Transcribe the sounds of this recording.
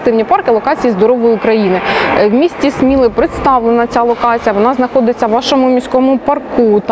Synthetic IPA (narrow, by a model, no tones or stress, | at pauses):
t̪ɪwnʲipɑrkɪlˠɔkɑt͡sʲijizd̪ɔɾɔʋɔjʊʊkɾɐjinɪwmʲisʲtʲismʲilˠɪpɾɪt̪st̪ɑʋlˠenɐt͡sʲalˠɔkɑt͡sʲijɐʋɔnɑznɐxɔd̪ɪt͡sʲːɐʋʋɑʃɔmʊmʲisʲkɔmʊpɐrkut̪